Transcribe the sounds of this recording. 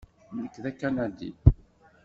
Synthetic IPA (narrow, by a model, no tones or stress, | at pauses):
nəkːðækːænæd̪ḭ